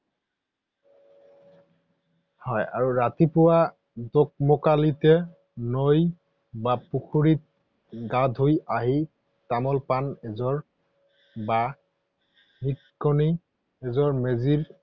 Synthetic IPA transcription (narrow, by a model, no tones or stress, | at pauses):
hɔja̰ɹuɹatipʊwa | dok̚mɔkalitɛ | noj | bapukʰuɹit̚ | ɡadʱojaɦi | tamɔlpanɛzɔɹ | ba | nitkɔni | ɛzɔɹmeziɹ